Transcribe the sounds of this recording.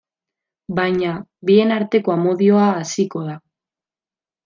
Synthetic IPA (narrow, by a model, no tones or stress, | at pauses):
bajɲaβie̞naɾt̪e̞ko̞amo̞ðio̞aːsiko̞ða